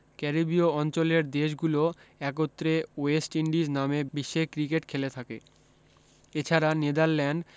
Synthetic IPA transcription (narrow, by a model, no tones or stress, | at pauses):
kɛɾibioɔnt͡ɕoleɾd̪eʃɡuloɛk̬ot̪ːɾeoesʈiɳɖid͡ʑnamebiʃːekɾikeʈkʰelet̪ʰakḛ | et͡ɕʰaɾaned̪aɾlɛɳɖ